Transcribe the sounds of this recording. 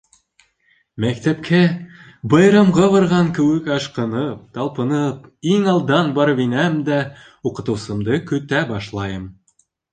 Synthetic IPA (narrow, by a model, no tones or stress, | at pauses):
mækt̪æpkʰæ | bɑjɾɑmʁɑβɑɾʁɑŋkɘ̆wɘkɑʃqɤ̆nɤp̚t̪ɑlˠpɤ̆nɤpiŋɑlˠd̪ɑnbɑɾβinæmd̪æ | uqɤ̆t̪ɤ̆wsɤ̆md̪ɤkɵ̆t̪æbɑʃlˠɑjɤm